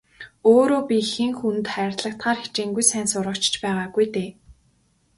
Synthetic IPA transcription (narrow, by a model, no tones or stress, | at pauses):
oːɾoːpʲixĭŋxun̆t̪χæːrt̪ɮə̆kt̪χaːrxe̥t͡ɕeːŋɡujsæːnsʊɾʁə̆kt͡ɕt͡ɕpæːʁaːɡujt̪eː